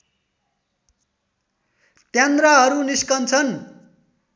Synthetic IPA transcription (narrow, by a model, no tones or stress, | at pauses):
t̪jand̪raɦʌɾuniskʌnt͡sʰʌn